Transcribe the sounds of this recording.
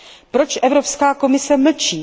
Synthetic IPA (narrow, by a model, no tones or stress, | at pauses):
pɾo̞t͡ʃʔɛvɾo̞pskaːko̞mɪsɛml̩t͡ʃiː